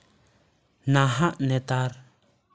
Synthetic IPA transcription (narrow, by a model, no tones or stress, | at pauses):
naɦaʔnɛt̪aɾ